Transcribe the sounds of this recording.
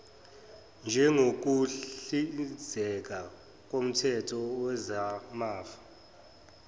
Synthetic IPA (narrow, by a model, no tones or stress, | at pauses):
nd͡ʒʱɛŋok̬uizʱɛk̬a | k̬ʼom̩tʰɛtʰɔwɛzamaːfḁ